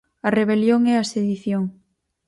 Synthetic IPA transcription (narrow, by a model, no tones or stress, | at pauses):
ɐreβ̞eljoŋɛɐseðiθjoŋ